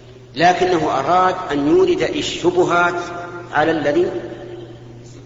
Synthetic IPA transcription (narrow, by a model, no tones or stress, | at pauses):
laːkɪnːaɦʊʔɑɾˤɑːd̪ʔanjuːɾɪd̪ʔɪʃːʊbʊɦaːt̪ʕalalːaðiː